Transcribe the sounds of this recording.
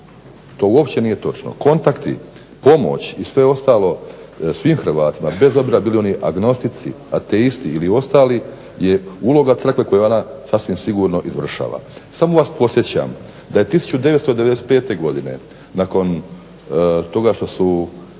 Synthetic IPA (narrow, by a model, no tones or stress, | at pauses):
t̪o̞ːuopt͡ɕe̞nije̞t̪o̞t͡ʃno̰ko̞nt̪akt̪ḭ | po̞mo̞̰t͡ɕisʋe̞o̞st̪aːlo̞sʋiːmxɾ̩ʋaːt̪imabe̞zo̞bziɾabiːlio̞niʔaɡno̞st̪it̪sḭ | at̪eist̪iːlio̞st̪aːli | je̞ulˠo̞ɡat̪sɾr̩kʋe̞ko̞jeo̞nasasʋimsiɡuːɾno̞ʔizʋr̩ʃa̰ːʋa̰samoʋaːspo̞t̪sjet͡ɕa̰m | d̪aje̞t̪isu̥t͡ɕud̪e̞ʋet̪st̪od̪e̞ʋ̪ese̥t̪peːt̪e̞ɡo̞d̪inḛ | nako̞n | t̪o̞ɡaʃt̪o̞su